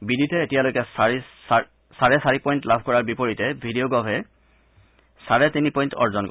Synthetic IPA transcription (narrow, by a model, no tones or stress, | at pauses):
biditɛetijalojkɛsis | saɹɛsaɹipɔjntlabʱkɔɹaɹbipoɹitɛbʱidijoɡɔbʱɛ | saɹɛtinipɔjntɔ̰ɹzɔnkɔ